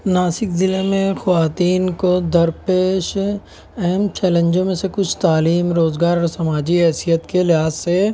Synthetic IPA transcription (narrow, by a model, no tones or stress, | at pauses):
naːsɪkzɪlemẽxɐʋaːt̪iːnkod̪ɐɾpeːʃ | ɛɦɛmt͡ʃɛːlə̃ɲd͡ʒõmẽsekʊt͡ʃʰt̪aːliːmɾoːzɡaːɾɔːɾsɐmaːd͡ʒiɦɛːsijət̪kelɪɦaːsːe